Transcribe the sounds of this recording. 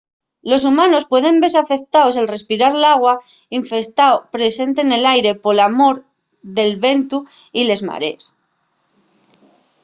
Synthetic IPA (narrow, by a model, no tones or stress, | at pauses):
lo̞sumãno̞spwe̞ð̞e̞mbe̞s̬afe̞k̚t̪aoselre̞spiɾaɾlaɣ̞wa | iɱfe̞st̪aopɾe̞se̞nt̪e̞ne̞lajɾe̞po̞lamo̞ɾ | ðe̞lβe̞nt̪uile̞zma̰ɾe̞̰s